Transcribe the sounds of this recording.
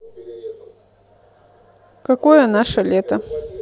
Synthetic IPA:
kɐkojənaʂəlʲet̪ə

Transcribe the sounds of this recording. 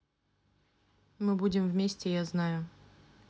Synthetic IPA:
mɨbudʲɪmvmʲesʲtʲɪjaznajʊ

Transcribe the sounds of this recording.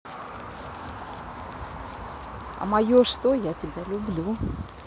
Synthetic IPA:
ɐ̰mɐjoʂt̪ojatʲɪbʲalʲʊblʲu

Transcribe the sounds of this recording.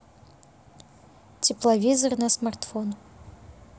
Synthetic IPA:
t͡sʲʰiplˠavʲizɐrnɐsmart̪fon

